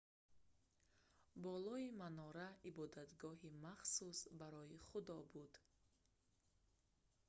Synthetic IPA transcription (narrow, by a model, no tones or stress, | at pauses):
bɔlɔimanɔɾaibɔd̪at̪ɡɔɦimaχsusbaɾɔiχud̪ɔbud̪